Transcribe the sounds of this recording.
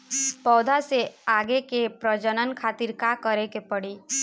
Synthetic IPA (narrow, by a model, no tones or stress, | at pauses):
pɔːd̪ʱaseaːɡekepɾəd͡ʒənənkʰaːt̪iɾkakəɾekepəɽiː